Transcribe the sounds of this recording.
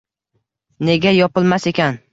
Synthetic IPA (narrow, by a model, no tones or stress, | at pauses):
ne̞ɡʲajɒpɪlˠmase̞kʲʰan